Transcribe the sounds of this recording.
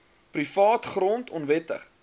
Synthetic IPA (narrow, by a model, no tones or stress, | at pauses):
prifɑːtχrɔntʰɔnvɛtə̰χ